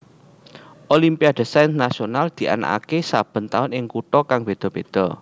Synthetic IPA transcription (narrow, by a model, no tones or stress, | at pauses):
ʔolimpiad̪̥ə̤sajnnasionald̪̥i̤ʔa̰na̰ka̰kesab̥ə̤nt̪aʊnɪŋkuʈ̪ɔkaŋb̥e̤d̪̥ɔ̤b̥ed̪̥ɔ̤